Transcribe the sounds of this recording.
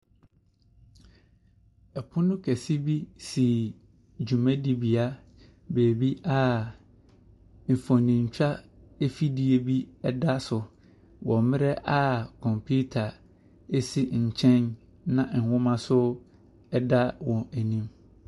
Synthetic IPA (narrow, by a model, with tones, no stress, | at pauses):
ɛ˨pʰʊ˦nʊ̃˦kʰæ˨si˦bi˦si˨ | d͡ʑᶣu˨mɛ̃˦di˦bi˨a˦ | beː˨bi˦ʔa˦ | m̩˨fɔ̃˨nĩ˨ɲ̩˨t͡ɕᶣa˦e˦fi˦di˨e˨bi˦ɛ˦da˦sʊ˨ | wɔ̃˨mɪ̃˦ɾɛ˦ʔa˦kʰɔ̃˨mpʰu˦tʰa˨ | e˦si˦ɲ̩˨t͡ɕʰɛ̃˦n | nã˨n̩˨hʊ̃˦mã˦sʊ˦ | ɛ˦da˦wɔ̃˨æ˨nĩ˦m